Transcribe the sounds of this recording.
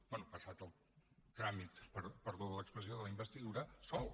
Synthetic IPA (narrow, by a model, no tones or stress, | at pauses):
bɛnupəsat̪əlˠ | t̪ɾamit̪pəɾpəɾðoələkspɾəzioðələimbəst̪iðuɾəsɔl